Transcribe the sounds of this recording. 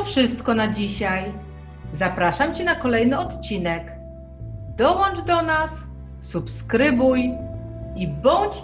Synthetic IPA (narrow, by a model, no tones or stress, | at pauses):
fʂɘst̪kɔnad͡ʑiɕaj | zapɾaʂamt͡ɕɛnakɔlɛjnɘɔt̪t͡ɕinɛk | d̪̥ɔwɔnd͡ʐd̪ɔnasː | upskɾɘbuj | ibɔɲt͡ɕ